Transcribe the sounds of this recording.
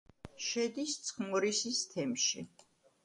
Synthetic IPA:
ʃɛd̪ist̪sʰχmuɾisist̪ʰɛmʃḭ

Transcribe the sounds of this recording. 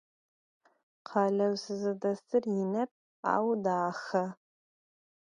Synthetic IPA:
qʰɑːlɐwsɨzɨdɐstʰɨrjɪnɐp̚ʼ | a̰ːwdaːχɐ

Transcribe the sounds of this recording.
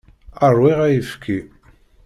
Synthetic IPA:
ərˤwiʁæjəfkʰi

